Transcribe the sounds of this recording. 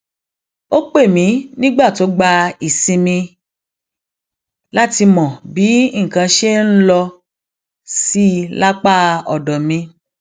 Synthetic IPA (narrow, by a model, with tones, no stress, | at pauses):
o˦k͡pe˦˨mĩ˨˦nĩ˦ɡ͡ba˦˨to˨˦ɡ͡ba˧i˨sĩ˧mĩ˧ | la˦ti˧mɔ̃˨bi˨˦ŋ̩˨kã˧ʃe˦n̩˦lɔ˧ | si˦la˦k͡pa˦ɔ˨dɔ˨mĩ˧